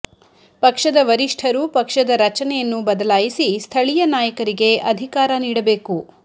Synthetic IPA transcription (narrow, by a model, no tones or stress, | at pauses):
pɐkʂɐd̪ɐʋɐɾiʂʈʰɐɾupɐkʂɐd̪ɐɾɐt͡ʃɐnɛjɐnːubɐd̪ɐlaːjisist̪ʰɐɭijɐnaːjɐkɐɾiɡe̞ʔɐd̪ʱikaːɾɐniːɽɐbe̞ːku